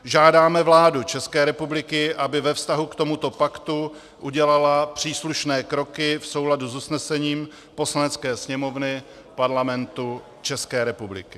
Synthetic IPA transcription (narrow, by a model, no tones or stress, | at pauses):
ʒaːdaːmɛvlaːdut͡ʃɛskɛːɾɛpublɪkɪʔabɪvɛfst̪aɦukt̪o̞mut̪o̞pakt̪u | ʔuɟɛlalapr̝̥iːsluʃnɛːkɾo̞kɪfso̞wladuzusnɛsɛɲiːm | po̞slanɛt͡skɛːsɲɛmo̞vnɪ | paɾlamɛnt̪u | t͡ʃɛskɛːɾɛpublɪ̰kɪ̥